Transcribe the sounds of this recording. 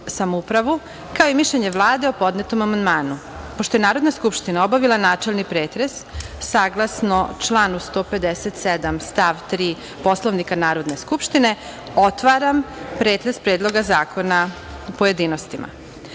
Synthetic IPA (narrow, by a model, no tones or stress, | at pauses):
samoupɾaʋu | kaoimiʃʎeɲe̞ʋlˠaːd̪eo̞po̞d̪ne̞t̪omamand̪maːnu | poʃt̪o̞jenaːɾo̞d̪naskupʃt̪inao̞baʋilˠanaːt͡ʃelnipɾeːt̪ɾe̞sːaːɡlˠasno̞t͡ʃlˠaːnust̪o̞ːpe̞d̪eset̪sed̪amst̪aʋt̪ɾiː | po̞slˠoʋnikanaːɾo̞d̪ne̞skupʃt̪ine̞ | o̞t̪ʋaɾampɾeːt̪ɾespɾeːd̪lˠo̞ɡazaːko̞na | pojed̪iːno̞st̪ima̰